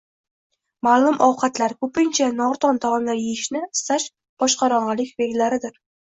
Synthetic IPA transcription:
maːlˠʊmʔɒwqʰɑt̪laɾkʰɵpɪnt͡ʃʰanɒɾt̪ʰɒnt̪ʰɒmɒnlaɾjejɪʃnɪɪst̪aʃ | b̥ɒʃqɑɾɒɴʁɑlɪkʲveɡʲlaɾɪd̪ɪɾ

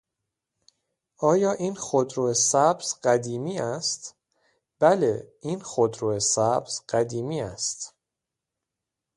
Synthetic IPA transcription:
ʔɒːjɒːʔiːnxod̪ɾoːesæbz̥ɢæd̪iːmiːæst̪ | b̥æleʔiːnxod̪ɾoːesæbz̥ɢ̥æd̪iːmiːæst̪

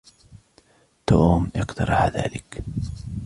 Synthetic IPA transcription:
t̪oːmʔɪqt̪ɑɾˤɑħaða̰ːlɪk

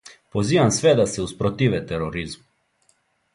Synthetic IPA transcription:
poziːʋansʋɛd̪asɛuspɾɔt̪iːʋɛt̪ɛɾoɾizm

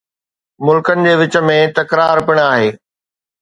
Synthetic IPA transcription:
mʊlkənɪ̆d͡ʑeːʋɪt͡ɕə̆mẽt̪ɐkɾaːɾpɪɽ̃aːɦeː

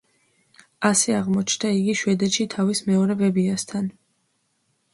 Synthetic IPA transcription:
asɛaʁmɔt͡ʃʰnd̪aiɡiʃwɛd̪ɛʃit̪ʰavismɛɔɾɛbɛbiast̪ʰan

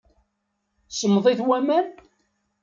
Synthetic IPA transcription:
səmːðˤiθwæmæn

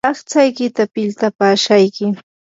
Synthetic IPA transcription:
ɑχt͡sajkɪt̪apɪlt̪apaːʃajkɪ

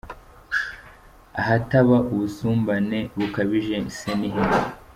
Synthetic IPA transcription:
aɦataβaʔuβusuːmbane̞βukaβiʒeiseniɦiɾ

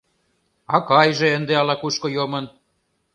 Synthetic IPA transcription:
ɑkɑjʒĕənd̪eɑlɑkuʃkojomɤ̆n

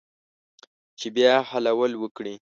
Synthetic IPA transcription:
t͡ʃebjɑhalawəlwəkɽi

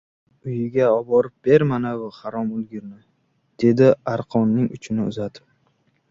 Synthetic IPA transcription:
ʊjɪɡʲaɒbɒɾɪp̚b̥e̞ɾmanavʊχaɾɒmʊlɡʲɪɾnɪ | d̪̥e̞d̪ɪaɾqʰɒnːɪŋʊ̰t͡ʃʰɪnɪʊ̰zat̪ʰɪ̥p

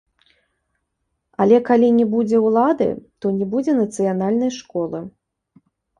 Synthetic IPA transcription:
alʲɛkalʲinʲɛbud͡zʲɛwlˠad̪ɨ̰t̪ɔnʲɛbud͡zʲɛnɐt̪sɨjanalʲnɐjʂkɔlˠɨ

